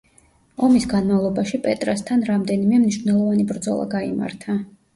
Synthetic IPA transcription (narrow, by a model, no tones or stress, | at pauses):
ɔmisɡanmavlˠɔbaʃipʼɛt̪ʼɾast̪ʰanɾamd̪ɛnimɛmniʃvnɛlˠɔvanibɾd̪zɔ̰lˠa̰ɡaima̰ɾt̪ʰa